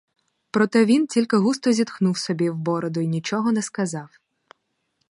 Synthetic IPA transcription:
pɾɔt̪ɛʋʲintʲilʲkɪɦust̪ɔzʲid̪xnuwsɔbʲiwbɔɾɔd̪ʊinʲit͡ʃɔɦɔnɛskɐzɑw

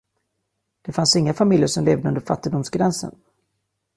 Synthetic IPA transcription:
d̪̥ɛfansɪŋːafamɪljəʂɔmleːvd̪əɵnd̪əɾfa̰t̪ːɪd̪ʊmsɡɾɛnsə̰n

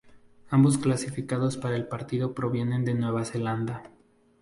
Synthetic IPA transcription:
ambo̞sklasifikaðo̞spaɾae̞lpaɾt̪iðo̞pɾo̞βje̞ne̞nd̪e̞nwe̞βase̞land̪a

